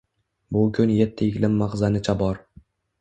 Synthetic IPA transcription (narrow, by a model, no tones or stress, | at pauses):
bʊkʰʲʊnjet̪ʰːɪɪɡʲlɪmːaʁzanɪt͡ʃʰabɒɾ